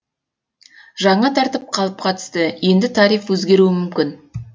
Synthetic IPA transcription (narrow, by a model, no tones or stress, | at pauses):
ʒɑɴɑt̪ʰɑɾt̪əp̚qʰɑlˠəp̚qʰɑt̪ə̥st̪əje̞nd̪ɪt̪ʰɑɾijfwɵzɡʲe̞ɾuɪmʏmkʲɪn